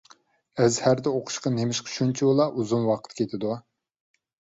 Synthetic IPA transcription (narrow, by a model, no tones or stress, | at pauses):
ɛzhæɾd̪ɛoqʰʊ̥ʃqɑnemɪʃqʰʃunt͡ʃʰiwolˠɑʔuzumwɑqʰə̥t̪kʲʰet̪ʰɪd̪u